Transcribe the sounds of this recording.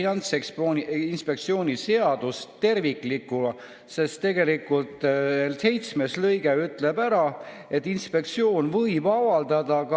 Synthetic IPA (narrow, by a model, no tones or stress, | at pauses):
iɑnt̪seksponinspe̞k̚t̪sio̞ːnʲise̞ɑd̪ust̪e̞rvikˑlikːul | se̞st̪ːe̞ɡ̥e̞likːˑult̪ˑːelse̞jt̪sme̞slɤjɡ̥e̞yt̪ˑle̞bæɾɑ | e̞t̪ːˑinspe̞k̚t̪sio̞ːnvɤjbɑvɑld̪ɑd̪̥ɑk